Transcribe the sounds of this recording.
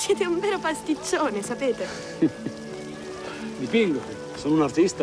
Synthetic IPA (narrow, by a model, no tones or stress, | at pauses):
sjɛːt̪euɱveːɾopast̪it͡ʃːoːnesapeːt̪e | d̪ipiŋɡoke | soːnunart̪ist̪a